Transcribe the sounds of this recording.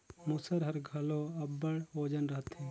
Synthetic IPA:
musəɾɦɐɾɡʱɐloɐbːəɽoːd͡ʒənɾɐɦət̪ɦɛ̃ː

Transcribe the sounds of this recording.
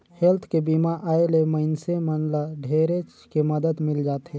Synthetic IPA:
helt̪ʰkebimaʔʔaːeleməɪnsemənlaɖʱeːɾet͡ʃ | keməd̪əd̪mɪld͡ʒaːt̪ɦɛ̃ː

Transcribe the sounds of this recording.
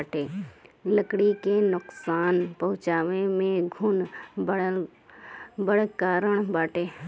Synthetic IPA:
ʈeːləkɽikenʊqsaːnpɐɦʊ̃t͡ʃaːʋẽmẽɡʱʊnb | bəɽkaːɾəɽ̃baːʈeː

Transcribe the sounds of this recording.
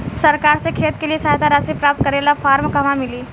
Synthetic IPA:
səɾkaɾt͡sekʰet̪keliːsaɦt̪aɾasipɾap̚t̪̚kəɾelafaɾmkəmamiliː

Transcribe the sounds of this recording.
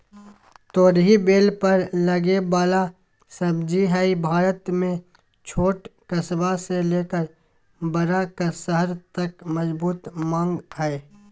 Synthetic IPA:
t̪oːɾɦibeːlpɐɾlɐɡebaːla | sɐbd͡ʒiɦɛibʱaːɾət̪mẽ | t͡ʃʰoːʈkɐsbaseleːkəɾ | bəɾakəsəɦəɾt̪ɐkmɐzbuːt̪mãːŋɡɦɛe

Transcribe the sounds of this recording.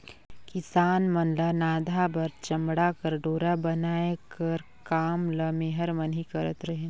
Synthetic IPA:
kɪsaːnmɐnlanaːd̪ʱabɐɾt͡ʃɐmɽakəɾɖoːɾabɐnaːjekɐɾ | kaːmləmẽɦəɾmɐnɦikɐɾət̪ɾɐɦe

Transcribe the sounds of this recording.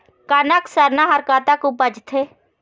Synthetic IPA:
kaːnaksəɾnãːɦɐɾkaːt̪aːkũbəd͡ʒt̪ʰeː

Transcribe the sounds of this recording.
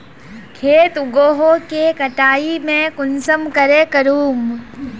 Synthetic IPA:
kʰeːt̪ʊɡoːɦokekɐʈaːimẽkʊnsəmkəɾekɐɾuːm

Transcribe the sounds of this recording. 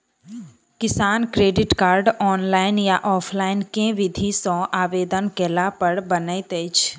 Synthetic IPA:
kɪsaːnkɾeːɖɪʈkaːɾɖɔːnlaːɪnjaʔɔːpʰlaːɪnkẽʋɪd̪ʱisɔ̃ʔaːʋeːd̪ənkeːlapəɾbənəit̪et͡ʃʰ

